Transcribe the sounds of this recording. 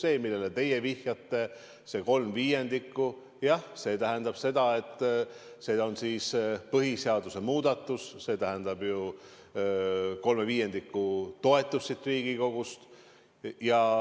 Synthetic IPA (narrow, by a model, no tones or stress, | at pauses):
se̞ːmilːelet̪e̞je̞vihjɑt̪ːe̞ | se̞ko̞lmviːje̞nd̪ikːu | jɑhse̞ːt̪æɦe̞nd̪̥ɑb̥se̞d̪ɑe̞t̪ːˑ | se̞ːo̞nsiːspɤɦiseɑd̪̥use̞muːd̪ɑt̪ːˑusːe̞ːt̪æɦend̪ɑbju | ko̞lme̞viːje̞nd̪ikːut̪o̞e̞t̪ˑːusːit̪ːˑriːɡ̥iko̞ɡ̥ust̪ | jɑ